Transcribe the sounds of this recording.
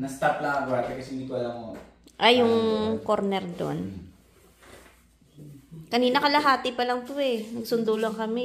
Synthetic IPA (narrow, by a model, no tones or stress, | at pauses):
nɐst̪aplɐɐɡaɐkɐsɪnikoɐlɐŋo | ʔɐjʊŋkoɾnɛɾd̪o̰n | kɐniːnɐkɐlɐɦaːt̪ɪpɐlɐŋt̪ʊɛnɐɡsʊnd̪uːloɐŋkɐmɛ